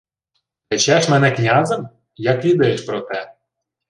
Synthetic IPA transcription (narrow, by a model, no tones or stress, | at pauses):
ĕt͡ɕæʃmænæknʲɑzə̆m | jɑklʲid̪eeʃpɾot̪æ